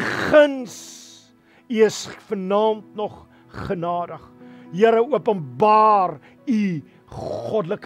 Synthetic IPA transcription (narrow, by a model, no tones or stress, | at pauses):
χəns | iəsfərnɑːmtnɔχ | χənɑːdəχjiəɾəuəpənbɑːr | i | χɔdlək